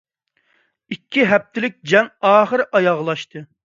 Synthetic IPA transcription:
ikʲʰːiɦɛp̚t̪ʰɪlɪk̚ʲd͡ʒɛŋɑːχəɾʔɑjɑʁlˠɑʃt̪ʰɨ

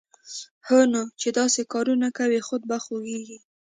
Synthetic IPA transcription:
hənat͡ʃed̪ɑsekɑɾunakawixʊd̪̚baxoɡeɡi

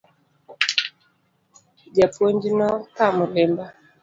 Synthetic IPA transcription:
d͡ʒapwoɲd͡ʒinɔkamʊlɪmba

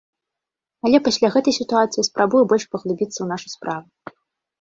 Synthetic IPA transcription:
ɐlʲɛpasʲlʲaɣɛt̪ɐjsʲit̪uat̪sɨjispɾʔabujɛbɔlʲʂpɐɣlʲˠubʲit̪sːɐwnaʂuspɾʔavu

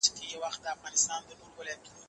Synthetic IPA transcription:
kejawaxt̪̚d̪əafɣɑnɪst̪ɑnd̪ənolwəlat̪ʰu

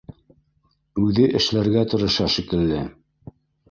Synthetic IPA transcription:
ʉðɘʔɘ̆ʃlæɾɡæt̪ŏɾŏʃɑʃikɘ̆lːɘ

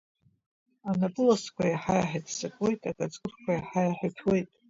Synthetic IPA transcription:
anapʼɨloskʷʰajaħajaħadʰsakʼwe̞jtʼakʼat͡sʼɡʼɨrkʷʰajaħajaħatʰwe̞jtʼ

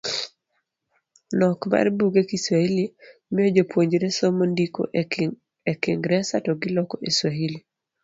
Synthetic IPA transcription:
nɔkma̰rbuɡekiswailimɪod͡ʒopwoɲd͡ʒɾesɔmondiko̰ | ekɪŋɡɾɛsatɔɡɪlɔkɔʔeswaɦili

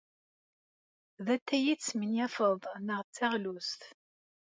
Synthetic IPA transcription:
ðæt̪ːæjit͡sːmənjæfəðˤnəʁt͡sːæʁlust̪

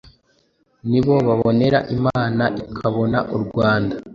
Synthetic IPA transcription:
niβo̞βaβo̞ne̞ɾaʔimaːnaʔikʰaβo̞naʔuɾɡwaːnda

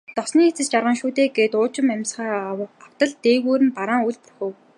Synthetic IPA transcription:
t̪ɔsniːet͡sɘ̆st͡ɕarʁə̆ŋʃuːt̪eːɡeːt̪ʊːt͡ɕɪ̆mæmʲsχaːaw̥t̪ə̆ɮt̪eːɣuːɾɘ̆mpaɾaːŋuɮpurxʲɵ̆w

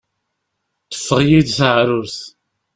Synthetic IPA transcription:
θə̥fːəʁjiðθəʕɾʊɾθ

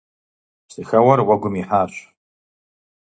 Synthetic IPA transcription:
sixawarwaɡʷʊmiħaʃʷ

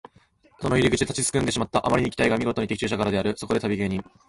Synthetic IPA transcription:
so̞no̞iɾʲiɡɯ̟t͡ɕi̥t̪at͡ɕisɨ̥kɯ̃nd̪e̞ɕ̬imat̪ːaʔa̰maɾiɲ̟ikʲi̥t̪aiɡamʲiɡo̞t̪o̞ɲ̟it̪e̞kʲi̥t͡ɕɨːɕakaɾad̪e̞aɾɯ̟so̞ko̞d̪e̞t̪abʲiɡe̞ːɲ̟ĩŋ

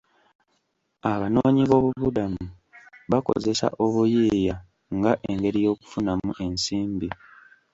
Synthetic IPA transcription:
aβano̞ːɲiβo̞ːβuβudamu | βako̞̰ze̞sa̰ʔo̞βujeːja | ŋɡaʔeŋɡe̞ɾijo̞ːku̥funamuʔe̞nsiːmbi

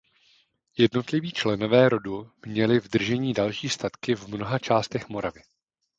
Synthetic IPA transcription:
jɛdno̞t̪lɪviːt͡ʃlɛno̞vɛːɾo̞dumɲɛlɪvd̪r̩ʒɛɲiːdalʃiːst̪at̪kɪvmno̞ɦat͡ʃaːst̪ɛxmo̞ɾavɪ

